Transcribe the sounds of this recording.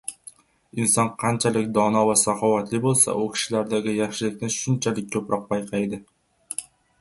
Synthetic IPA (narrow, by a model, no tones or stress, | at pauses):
insɒnqʰɑnt͡ʃʰalɪkʲd̪ɒnɒvasɑχɒwat̪lɪbolˠsa̰ʔʊkʲʰi̥ʃɪlaɾd̪aɡʲɪjɑχʃɪlɪkʲnɪʃʊnt͡ʃʰalɪk̚ʲʰːɵpɾɒq̚pɑjqʰɑjd̪ɪ